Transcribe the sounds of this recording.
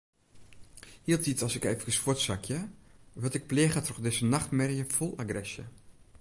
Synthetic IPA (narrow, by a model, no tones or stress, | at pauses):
hiəlˠtitɔlˠsɪkeːvəkəsfotsakʰjəʋɔtɪk̚pleːxatrɔχdɪsənaxtmɛrjəfɔlˠaɡrɛsjə̰